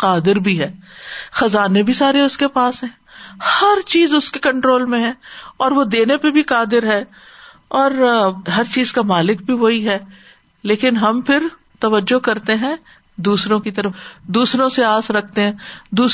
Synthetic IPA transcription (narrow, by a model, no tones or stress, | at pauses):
qaːd̪ɪɾbʱiɦɛːxɐzaːnebʱisaːɾeʊskepaːsɦɛ̃ː | hɐɾt͡ʃiːzʊskekɐ̃ɳʈɾoːlmẽɦɛ̃ːɔːɾʋod̪eːnepebʱiqaːd̪ɪɾɦɛː | ɔːɾɦɐɾt͡ʃiːzkamaːlɪk̚bʱiʋoɦiɦɛː | leːkɪnɦɐmpʰɪɾ | t̪ɐʋəd͡ʒːokɐɾt̪eɦɛ̃ | d̪uːsɾõkit̪ɐɾəfd̪uːsɾõseaːsɾɐk̚ʰt̪eɦɛ̃ːd̪uː